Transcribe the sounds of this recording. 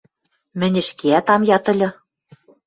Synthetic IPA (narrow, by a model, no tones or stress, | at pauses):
mɘ̆nʲɘ̆ʃkeæt̪ɑmjɑt̪ɘ̆lʲɤ̆